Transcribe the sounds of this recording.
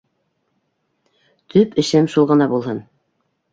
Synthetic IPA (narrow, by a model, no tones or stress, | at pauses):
t̪ʰɵpɘ̆ʃɘmʃulˠʁɤ̆nɑbulˠɦɤn